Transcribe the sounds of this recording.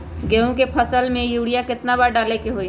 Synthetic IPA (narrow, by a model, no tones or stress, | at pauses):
ɡeːũkepʰəsəlmẽjuːɽijakɪt̪nabəɾɖaːlekeɦoːi